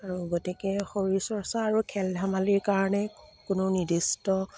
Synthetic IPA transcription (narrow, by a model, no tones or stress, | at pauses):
aɹuɡotikɛxoɹisɔɹsaːɹukʰɛldʱamaliɹkaɹɔnɛkʊnɔnidistɔ